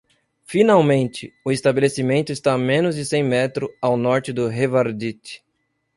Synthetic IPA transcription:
finawmẽnt͡ʃɪʊest̪abelesimẽnt̪ʊɪst̪amẽnʊzd͡ʒɪsẽj̃mɛt̪ɾʊawnɔɾt͡ʃɪd̪ʊɦevaɾd̪it̪ɪ̥

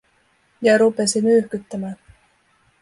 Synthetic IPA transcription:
jɑɾupe̞simyhkyt̪ːæmæːn

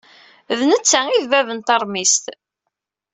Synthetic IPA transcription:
ðnət͡sːæiðvævənt̪ɑɾˤmist̪

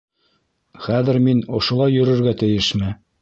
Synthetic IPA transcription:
χæðɘ̆ɾminŏʃŏlˠɑjːɵ̆ɾɘ̆ɾɡæt̪ɘ̆jɘʃmɘ

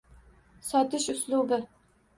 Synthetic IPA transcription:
sɒt̪ɪʃʊslˠubɪ

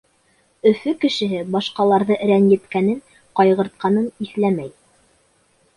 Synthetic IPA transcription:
ɵ̆fɵkɘ̆ʃɘ̆ɦɘbɑʃqɑlˠɑɾðɤʔɘ̆ɾænjɘ̆t̪kænɘŋ | qɑjʁɤ̆ɾt̪̚qɑnɤniθlæmæj

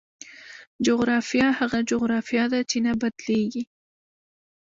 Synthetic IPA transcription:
d͡ʒoɣɾɑfjɑhaɣad͡ʒoɣɾɑfijɑd̪at͡ʃenabad̪leɡi

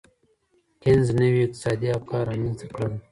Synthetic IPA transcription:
kenznəwiɪq̚t̪ɪ̥sɑːd̪iafkɑɾɑminzakɽəl

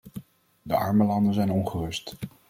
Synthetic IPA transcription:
dəɑ̰ɹməlɑndənzɛjnɔnχərɵst

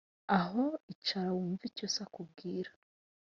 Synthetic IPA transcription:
aɦo̞it͡ʃaɾawuːɱvicosakubɡiːɾḁ

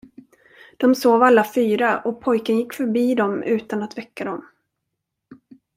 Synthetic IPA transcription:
d̪̥ɔmsoːvalːafyːɾaʔɔpʰɔjkənjɪkːfœɾbiːd̪ɔmʉ̟ːt̪anat̪vɛkːad̪ɔm

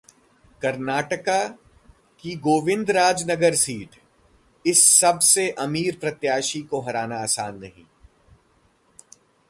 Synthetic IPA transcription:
kɐɾnaːʈəka | kiɡoːʋɪ̃nd̪ɾaːd͡ʒnɐɡəɾsiːʈʰ | ɪsːɐbseʔɐmiːɾpɾɐt̪jaːʃikoɦɐɾaːnaaːsaːnːɐɦḭ̃ː

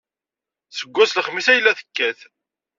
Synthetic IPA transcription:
səɡʷːæsləχmisæjəlːæθə̥kːæθ

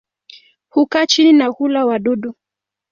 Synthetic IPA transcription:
hukat͡ʃininahulawaɗɔɗu

